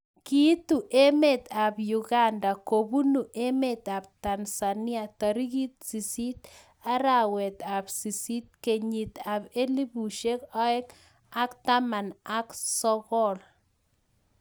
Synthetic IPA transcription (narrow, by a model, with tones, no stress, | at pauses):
ki˦t̪u˨ʔe˦me˦t̪abju˨ɣandakobu˦nu˨ʔe˦met̪ab̚t̪ansani˦at̪aɾi˦ɣi˦t̪̚si˨si˦t̪ | a˦ɾawɛ˨t̪absi˨si˦t̪̚ke˨ɲi˨t̪abe˦li˦bu˨ʃe˦ka˦ɛ˦k | akt̪ama˨naksɔɣɔ˦l